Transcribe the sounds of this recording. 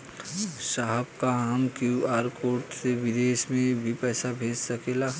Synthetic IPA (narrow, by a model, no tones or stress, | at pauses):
ʃaɦəb̚kaəmkjuaːɾkoːʈseʋɪd̪eːʃmẽbʱipɛːsabʱeːd͡ʒsəkeːla